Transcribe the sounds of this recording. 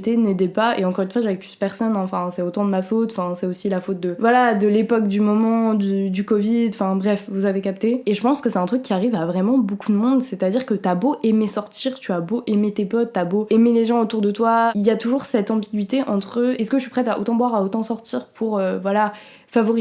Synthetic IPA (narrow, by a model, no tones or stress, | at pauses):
t̪ened̪ɛpaḛɑ̃kɔʁynfwaʒavɛplyspɛʁsɔnɑ̃fɛ̃sɛot̪ɑ̃d̪əmafot̪ɑ̃fɛ̃sɛosilafot̪̚d̪əvwalad̪əlepɔk̚d̪ymɔmɑ̃d̪yd̪ykɔvid̪ɑ̃fɛ̃bʁɛfvuzavekap̚t̪eeʒəpɑ̃skəsɛt̪ɛ̃t̪χykʲːiaʁivavʁɛmɑ̃bokud̪əmɔ̃d̪sɛt̪ad̪iʁkət̪yaboʔemesɔʁt̪ʰiʁt̪yaboʔemet̪epɔt̪ːaboemeleʒɑ̃ot̪uʁd̪ət̪wailjat̪uʒuʁsɛt̪ɑ̃biɡʲɥit̪eʔɑ̃t̪χəɛsəkəʒəʃɥipχɛt̪aʔo̰t̪ɑ̃bwaʁaot̪ɑ̃sɔʁt̪iʁpʰuʁøvwala | favɔʁi